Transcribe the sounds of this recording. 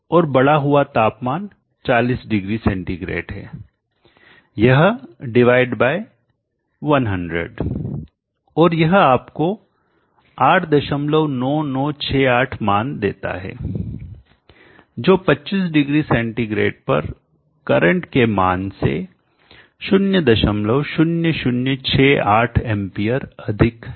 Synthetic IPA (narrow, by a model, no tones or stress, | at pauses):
ɔːɾbɐɽaɦʊat̪aːpmaːn | t͡ʃaːliːsɖɪɡɾisɛ̃ɳʈiɡɾḛːʈɦɛ̰ː | jɐɦɖɪʋaːɪɖbaːɪ | ʋɐnɦɐ̃ɳɖɾə̰ɖ | ɔːɾjɐɦaːpko | aːʈʰd̪ɐʃəmləʋnɔːnɔːt͡ʃʰɛːaːʈʰmaːnd̪ḛːt̪a̰ɦɛ̰ː | d͡ʒoːpɐtːt͡ʃiːs̬ɖɪɡɾisɛ̃ɳʈiɡɾḛːɖ̚pɐ̰ɾ | kɐɾə̃ɳʈkema̰ːnsḛ | ʃʊnjəd̪ɐʃəmləʋʃʊnjəʃʊnjət͡ʃʰeːaːʈʰɛ̃mpiːəɾɐd̪ʱɪk